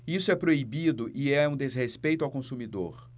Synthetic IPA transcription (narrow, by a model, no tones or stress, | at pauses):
isʊɛpɾoibid̪ʊʔɪɛũd̪ezɦespejt̪ʊawkõsumid̪o̰ɾ